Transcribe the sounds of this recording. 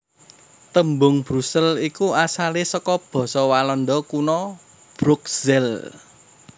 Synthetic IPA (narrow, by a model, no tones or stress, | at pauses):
t̪əmbʊŋb̥ɾusɛlikuasalesɔkɔb̥ɔ̤sɔwalɔnɖ̪ɔkunɔ | b̥ɾukz̥ɛl